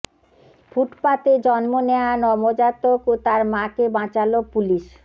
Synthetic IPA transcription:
fʰuʈpat̪ed͡ʑɔnmoneanɔmod͡ʑat̪okot̪aɾmãkebãt͡ɕalopuliʃ

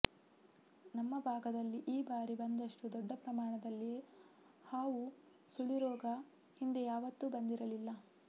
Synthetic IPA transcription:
nɐmːɐbʱaːɡɐd̪ɐlːiʔiːbaːɾibɐnd̪ɐʂʈud̪ɔɖːɐpɾɐmaːɳɐd̪ɐlːi | haːʋu | suɭiɾɔːɡɐ | hind̪ejaːʋɐt̪ːubɐnd̪iɾɐlilːɐ

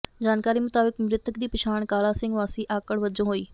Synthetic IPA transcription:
d͡ʒaːnkaːɾiːmʊt̪aːbɪkmɾɪt̪əkd̪iːpɪʃaːɳ̃kaːlaːsɪ̃ŋɡʋaːsiːʔaːkəɽʋəd͡ʒõɦoːiː

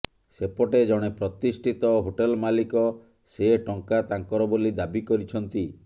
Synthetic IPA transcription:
sepɔʈed͡ʒɔɽ̃epɾɔt̪isʈʰit̪ɔɦoʈelmalikɔ | seʈɔŋkat̪aŋkɔɾɔbolid̪abikɔɾit͡ʃʰɔnt̪i

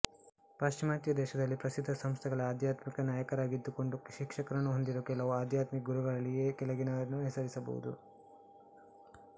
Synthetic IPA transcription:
paːʃt͡ʃimaːt̪jɐd̪ɛːʃɐd̪ɐlːipɾɐsid̪ʱːɐsɐmst̪ʰɛɡɐɭɐaːd̪ʱjaːt̪mikɐnjaːjɐkɐɾaːɡid̪ːuko̞ɳɖuʃikʂɐkɐɾɐnːuɦond̪iɾoːkɛlɐʋuaːd̪ʱjaːt̪mikɐɡuɾuɡɐɭɐlːijekɛlɐɡinɐɐnːuɦɛsɐɾisɐbɐ̰wṵd̪ṵ

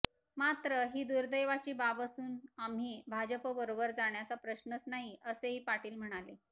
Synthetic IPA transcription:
mat̪ɾəɦiːd̪uɾd̪əjʋat͡ɕiːbabəsuːnamɦiːbʱad͡ʑəpəbəɾobəɾd͡zaɽ̃jat͡sapɾəɕnət͡snaɦiʔəseɦiːpaʈiːlm̤əɽ̃ale

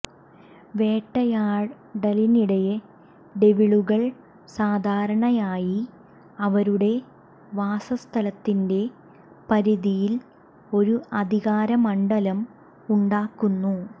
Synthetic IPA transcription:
ʋe̞ːʈːɐjaːɻ | ɖɐliniɽɐje | ɖe̞ʋiɭuɣɐɭ | saːd̪ʱaːɾɐɳɐjaːji | ɐʋɐɾuɽe̞ | ʋaːsɐst̪ʰɐlɐt̪ːinde̞ | pɐɾiðijil | o̞ɾuɐd̪ʱiɣaːɾɐmɐɳɖɐlɐm | uɳɖaːkːunːu

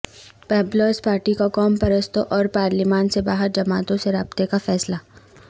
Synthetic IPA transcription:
pɛːbloːspaːɾʈikakɔːmpɐɾəst̪ʰoʔɔːɾpaːɾlimaːnsebaːɦəɾd͡ʒɐmaːt̪õseɾaːbt̪ekafɛːslaː

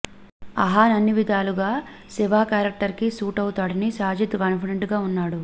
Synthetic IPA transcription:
ɐ̰ɦaːnɐnːiʋid̪ʱaːluɡaː | siʋaːkaːɾɐk̚ʈɐɾkisuːʈɐwut̪aːɽɐnisaːd͡ʒit̪ukɐnpiɽeɳʈɡaːunːaːɽu

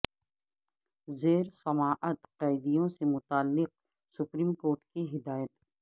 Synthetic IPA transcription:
zeːɾsɐmaːʔət̪qaɪd̪ijõsemʊt̪aːlːɪq̚ | sʊpɾiːmkoːʈkiɦɪd̪aːjət̪

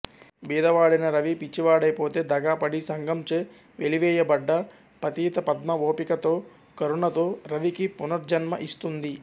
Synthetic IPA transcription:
biːd̪ɐʋaːɽinɐɾɐʋipit͡ʃːiʋaːɽɐjpo̞ːt̪e̞ːd̪ɐɡaːpɐɽisɐŋɡɐmt͡ʃeː | ʋeliʋɛːjɐbɐɖːɐ | pɐt̪iːt̪ɐpɐd̪mɐʋo̞ːpikɐt̪o̞ː | kɐɾuɳɐt̪o̞ːɾɐʋikipunɐɾd͡ʒɐnmɐʔist̪und̪i

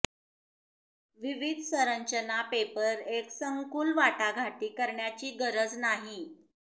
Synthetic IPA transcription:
ʋiʋid̪ʱsəɾəɲt͡ɕənapepəɾeksəŋkuːlʋaʈaɡʱaʈiːkəɾɳjat͡ɕiːɡəɾəd͡znaɦi

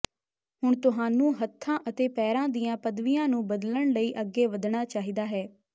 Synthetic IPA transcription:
ɦʊɳt̪ʊɦaːnũːɦət̪ʰːãːʔət̪eːpɛːɾãːd̪ijãːpəd̪ʋijãːnũːbəd̪ləɳləiːʔəɡːeːʋəd̪ɳaːt͡ʃaːɦiːd̪aːɦɛː

